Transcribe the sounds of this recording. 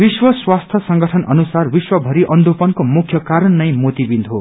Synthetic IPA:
biswʌswast̪ʰʌsʌŋɡʌʈʰʌnʌ̰nusarbiswʌbʱʌɾiʔʌnd̪ʱupʌnkomukʰjʌkaɾʌnːʌj̃mot̪ibind̪ʱɦo

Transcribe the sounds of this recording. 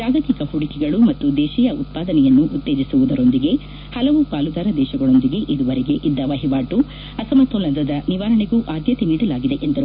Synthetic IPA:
d͡ʒaːɡɐt̪ikɐhuɽikɛɡɐɭumɐt̪ːud̪ɛːʃɛjɐut̪̚paːd̪ɐnɛjɐnːuʔut̪ːeːd͡ʒisuʋud̪ɐɾo̞nd̪iɡe̞ | hɐlɐʋupaːlud̪aːɾɐd̪ɛːʃɐɡɐɭo̞nd̪iɡe̞ʔid̪uʋɐɾɛɡe̞ʔid̪ːɐʋɐɦiʋaːʈu | ɐsɐmɐt̪ːolɐnd̪ɐd̪ɐniʋaːɾɐɳeɡuːʔaːd̪jɐt̪eniːɽɐlaːɡid̪e̞ʔend̪ɐɾu

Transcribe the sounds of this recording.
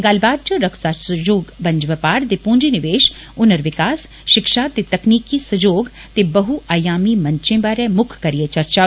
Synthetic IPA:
ɡaːlbaːd̪̚t͡ʃɐ̃ɾɐksaːsɐd͡ʒoːɡbɐ̃ɲd͡ʒʋɐpaːɾd̪epũːɲd͡ʒinɪʋeːʃ | ʊnəɾʋɪkaːs | ʃɪkʃaːt̪et̪ɐkniːkisɐd͡ʒoːɡt̪ebɐɦuaːjaːmimɐɲt͡ʃẽbaːɾɛ̃mʊkʰːɐɾijet͡ʃɐɾt͡ʃaː

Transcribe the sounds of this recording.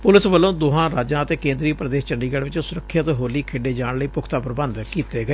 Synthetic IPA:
pʊlɪsʋəlːõːd̪oːɦãːɾaːd͡ʒãːət̪eːkẽːnd̪ɾiːpɾəd̪eːst͡ʃəɳɖiːɡəɽʋɪt͡ʃsʊɾəkʰːjət̪ːɦoːliːkʰeːɖeːd͡ʒaːɳləiːpʊkʰt̪aːpɾəbənd̪kiːt̪eːɡəeː

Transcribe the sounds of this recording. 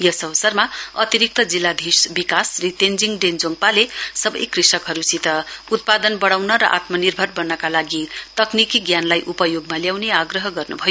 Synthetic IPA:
jʌsʌwsʌrmaʌt̪iɾik̚t̪ʌd͡zilːad̪ʱisbikasrit̪end͡ziŋɖend͡zoŋɡ̚palesʌbʌ̰jkrisʌkɦʌɾusit̪ʌut̪̚pad̪ʌnbʌɽawnʌɾʌ̰ʔa̰t̪mʌnirbʱʌrbʌnːʌkalaɡit̪ʌknikiɡjanlajʔupʌjoɡmaljawneaɡrʌɦʌɡʌrnṵbʱʌjo

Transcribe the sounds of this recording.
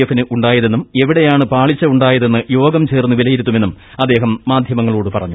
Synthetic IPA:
ɐfːinɨʔuɳɖaːjɐðe̞nːume̞ʋiɽe̞jaːɳɨpaːɭit͡ɕːɐuɳɖaːjɐðe̞nːɨjo̞ːɡɐmt͡ɕe̞ːrnːuʋilɐjiɾut̪ːumenːum | ɐd̪ːe̞ːɦɐmːaːd̪ʱjɐmɐŋːɐɭuːɽɨpɐrɐɲːu

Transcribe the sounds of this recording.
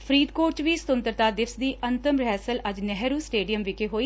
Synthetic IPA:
pʰɾiːd̪koːɾt͡ʃʋiːst̪ʊnt̪əɾt̪aːd̪ɪfsd̪iːʔənt̪əmɾɛːsələd͡ʒnɛɦɾuːsʈeːɖijəmʋɪkeːɦoːiː

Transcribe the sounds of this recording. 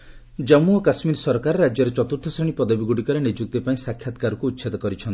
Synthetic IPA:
d͡ʒɔmuɔkasmiɾsɔɾkaɾɾad͡ʒjɔɾet͡ʃɔt̪uɾt̪ʰɔsɾeɽ̃ipɔd̪abiɡuɽikɔɾenid͡ʒuk̚t̪epaĩsakʰːjat̪kaɾɔkuːt̪ːʃʰed̪ɔkɔɾit͡ʃʰɔnt̪i̥

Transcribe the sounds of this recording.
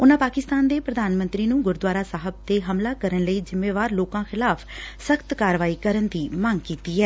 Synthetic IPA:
ʊnãːpaːkɪst̪aːnd̪eːpɾəd̪aːnmə̃nt̪ɾiːnũːɡʊɾd̪ʋaːɾaːsaːɦəb̚t̪eːɦəmlaːkəɾənləiːd͡ʒɪmːeːʋaːɾloːkãːxʰɪlaːpʰsəkt̪kaːɾʋaːiːkəɾənd̪iːməŋɡkiːt̪iːɛː

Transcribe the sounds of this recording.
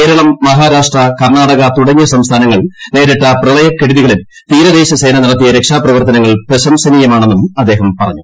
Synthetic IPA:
ke̞ːɾɐɭɐmːɐɦaːɾaːʂʈrɐkɐrɳaːɽɐɣɐt̪uɽɐɲːɐsɐmst̪ʰaːnɐŋːɐɭne̞ːɾiʈːɐprɐlɐjɐkːeɽuðiɣɐɭim | t̪iːɾɐðe̞ːɕɐse̞ːnɐniɽɐt̪ːijɐɾe̞kʂaːprɐʋɐrt̪ɐnɐŋːɐɭprɐɕɐmsɐniːjɐmaːɳe̞nːumɐd̪ːe̞ːɦɐmpɐrɐɲːu

